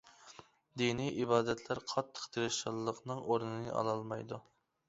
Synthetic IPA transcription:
d̪inijʔibɑːd̪ɛt̪ʰlæɾqʰɑt̪ʰːə̥qt̪ʰeɾɨʃɑlˠːəqnɨŋʔoɾnɨnɨ̰ʔɑ̰lˠɑlˠmɑjd̪u

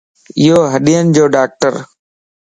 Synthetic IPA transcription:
ɪjoːɦəɗiːənd͡ʒoːɖaːk̚ʈəɾ

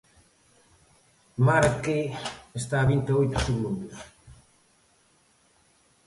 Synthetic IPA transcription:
maɾkeest̪aːβint̪eojt̪ʊ̥seɣlumbʊs

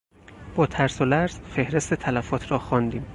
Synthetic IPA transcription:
b̥ɒːt̪ʰæɾsolæɾz̥fe̞hɾe̞st̪et̪ʰælæfɒːt̪ʰɾɒːxɒːnd̪iːm

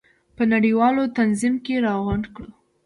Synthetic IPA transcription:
pənaɽiwɑlot̪anzimkeɾɑɣankɽu

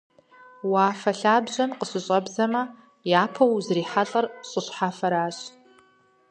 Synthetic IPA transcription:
waːfɐɬaːbʑɐmqʼəɕɨɕʼɐbzɐmɐ | jaːpʰɐwzriːħaɬʼɐrɕʼɨɕʷħafɐɾaːɕ

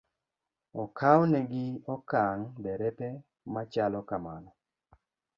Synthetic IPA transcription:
ɔkʰawnɛɡɪɔkaŋbɛɾɛpɛ | mat͡ʃalɔkamanɔ

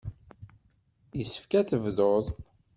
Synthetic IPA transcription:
jəsːə̥fkæθəvðoðˤ

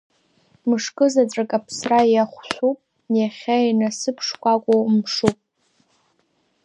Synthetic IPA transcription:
mɨʂkʼɨzat͡sʼakʼapʰsrajaχʷʃʷupʼ | naχʲainasɨpʰʂkʷakʷʼomʂupʼ

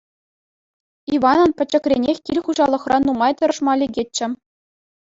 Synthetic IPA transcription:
iʋɑnɤ̆npʲɘ̆t͡ɕːɘ̆krʲenʲexʲkʲilʲχuʑɑlˠɤ̆χrɑnːumɑjt̪ʲɤ̆ɾɤ̆ʂmɑlʲeɡʲet͡ɕːɘ̆

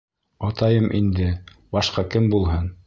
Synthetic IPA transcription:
ɑt̪ɑjɤmʔind̪ɘ | bɑʃqɑkɘmbulˠɦɤn

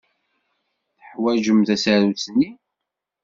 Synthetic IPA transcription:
θəħwæʒəmθæsæɾut͡sni

